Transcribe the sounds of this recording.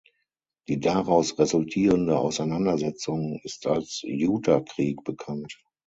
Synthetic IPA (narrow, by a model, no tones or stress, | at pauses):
d̥iːdaʁaʊsʁezʊltʰiːʁəndəʔaʊsaɪnandɐzɛt͡sʊŋɪstalsjuːtʰakʁ̥iːkb̥əkʰant